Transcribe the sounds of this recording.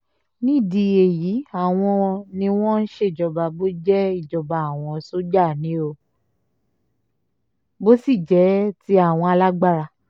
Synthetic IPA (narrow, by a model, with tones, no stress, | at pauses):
nĩ˦˨di˧e˨ji˨˦a˦˨w̃ɔ̃˧nĩ˧w̃ɔ̃˦n̩˦ʃe˦˧˨d͡ʒɔ˨ba˧bo˦d͡ʒɛ˦i˦˨d͡ʒɔ˨ba˨a˨w̃ɔ̃˧˨so˦d͡ʒa˦˨nĩ˨˦o˧ | bo˦si˦˨d͡ʒɛ˨˦ti˦a˦˨w̃ɔ̃˧a˧la˦ɡ͡ba˦˨ɾa˧